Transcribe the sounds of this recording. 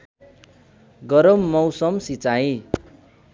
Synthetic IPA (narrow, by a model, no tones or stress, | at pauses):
ɡʌɾʌmːʌwsʌmsit͡saj